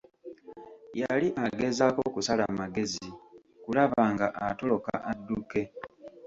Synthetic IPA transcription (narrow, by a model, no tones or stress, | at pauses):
jaliʔaɡe̞zakokusalamaɡe̞zi | kulaβaːŋɡaʔato̞lo̞ka̰ʔadːuke̞